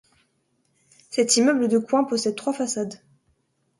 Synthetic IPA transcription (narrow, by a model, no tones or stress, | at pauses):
sɛt̪imœbləd̪əkwɛ̃pɔsɛd̪̚t̪χwafasad̪